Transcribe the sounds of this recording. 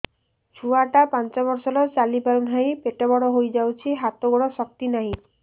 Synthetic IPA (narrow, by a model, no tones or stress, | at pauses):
t͡ʃʰuaʈapant͡ʃɔβɔɾsɔlɔt͡ʃalipalunɦaj̃peʈebɔɽɔɦojd͡ʒawt͡ʃʰiɦat̪ɔɡuɽɔsɔk̚t̪inaɦĩ